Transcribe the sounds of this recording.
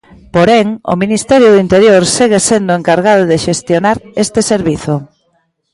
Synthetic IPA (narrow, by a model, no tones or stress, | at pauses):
poɾɛŋo̰minist̪ɛɾjʊðint̪eɾjoɾseɣesend̪ʊeŋkaɾɣaðʊðeʃest̪jonaɾest̪ɪseɾβiθʊ